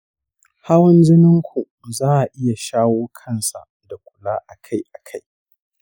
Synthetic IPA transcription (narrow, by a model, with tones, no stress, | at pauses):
ha˦wɐ˦nd͡ʒɪ˦nɪ˦ŋkʷʰu˨ | zaː˦ʔa˨ʔɪ˦ja˨ʃaː˦woː˦kʰɐ˦nsa̰˨ | da˨kʷʼʊ̥˨laː˦ʔa˨kʰa˦jʔa˨kʰa˦j